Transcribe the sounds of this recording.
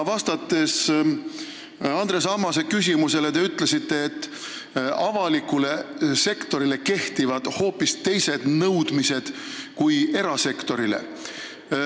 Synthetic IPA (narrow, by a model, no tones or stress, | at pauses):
vɑst̪ɑt̪ːˑe̞s | ɑnd̪̥re̞s̬ɑmɑse̞kys̬ʲimuse̞le̞t̪e̞yt̪ːˑle̞sit̪ːˑe̞ːt̪ːˑ | ɑvɑlikːˑule̞se̞kt̪o̞ɾile̞ke̞ht̪ivɑd̪̥ho̞ːpːˑist̪e̞jse̞d̪̥nɤwd̪̥mise̞d̪̥kuje̞ɾɑse̞kt̪o̞ɾile̞̰